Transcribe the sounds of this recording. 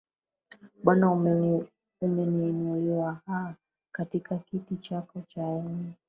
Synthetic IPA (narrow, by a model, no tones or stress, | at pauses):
ɓwana | umɛniːnuliwahaa | katikakitit͡ʃakɔt͡ʃaɛni